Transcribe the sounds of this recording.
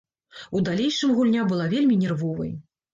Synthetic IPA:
ud̪alʲejʂɨmɣulʲnʲabɨlˠavʲelʲmʲinʲɛrvɔvɐ̰j

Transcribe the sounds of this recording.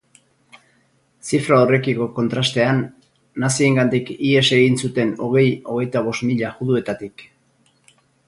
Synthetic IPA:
sifɾaore̞kiko̞ko̞nt̪ɾast̪e̞anː | asie̞ŋɡand̪ikie̞se̞ɣinsut̪e̞no̞ɣ̞e̞jo̞ɣ̞e̞jt̪aβ̞o̞smiʎaɣuðue̞t̪at̪ik

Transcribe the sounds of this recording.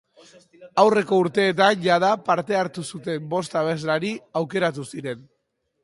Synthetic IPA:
awre̞ko̞uɾt̪e̞ːt̪anʝað̞apaɾt̪e̞aɾt̪usut̪e̞mbo̞st̪aβe̞zlaɾiawke̞ɾat̪̬usiɾe̞n

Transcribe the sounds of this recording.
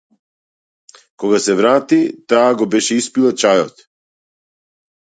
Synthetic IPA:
kɔɡasɛvɾat̪it̪aːɡɔbɛʃɛispilˠat͡ʃajɔt̪

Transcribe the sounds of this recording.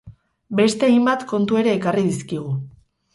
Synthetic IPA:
be̞st̪e̞ajmbat̪ko̞nt̪ue̞ɾe̞ːkariðiskiɣ̞u

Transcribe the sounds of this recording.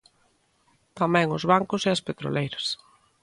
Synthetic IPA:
t̪amɛ̃ŋʊzβaŋkʊseɐspet̪ɾo̰lejɾɐs

